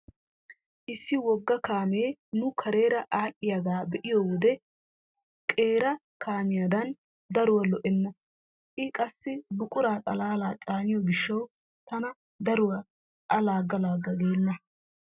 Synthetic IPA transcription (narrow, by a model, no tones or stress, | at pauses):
ʔɪsːɪwɔɡːɐkaːmeːnʊkʰɐɾe̞ːɾɐʔaːʔɪjɐɡaːbɛʔɪjɔwɔd̪ɛ | kʼe̞ːɾɐ | kaːmɪjad̪ɐn | d̪ɐɾʊwɐlɔʔɛnːɐ | ʔɪkʼɐsːɪbʊkʼʊɾaːt̪ʼɐlaːlaːt͡ʃʼaːnɪjɔɡɪʃːɐw | t̪ɐnɐ | d̪ɐɾʊwɐ | ʔɐlaːɡːɐlaːɡːɐɡe̞ːnːɐ